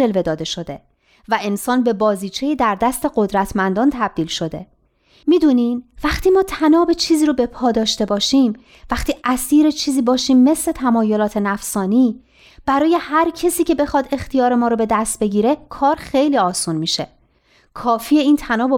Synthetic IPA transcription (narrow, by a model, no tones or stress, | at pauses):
e̞lve̞d̪ɒːd̪e̞ʃo̞d̪e̞ | væe̞nsɒːnbe̞bɒːziːt͡ʃʰe̞jid̪æɾd̪æst̪e̞ɢo̞d̪ɾæt̪ʰmænd̪ɒːnt̪ʰæb̚d̪iːlʃo̞d̪e̞ | miːd̪uːnimvæχt̪iːmɒːt̪ʰænɒːbe̞t͡ʃʰiːziːɾobe̞pʰɒːd̪ɒːʃt̪e̞bɒːʃiːm | væxt̪ʰiːʔæsiːɾet͡ʃʰiːziːbɒːʃiːmːe̞sle̞t̪ʰæmɒːjo̞lɒːt̪ʰe̞næfsɒːniː | b̥æɾɒːje̞hæɾcʰesiːcʰe̞be̞xɒːd̪e̞xt̪ijɒːɾe̞mɒːɾobe̞d̪æst̪̚be̞ɟiːɾe̞kʰɒːɾxe̞jliːɒːsunmiːʃe̞̰ | kʰɒːfie̞iːnt̪ʰænɒːbe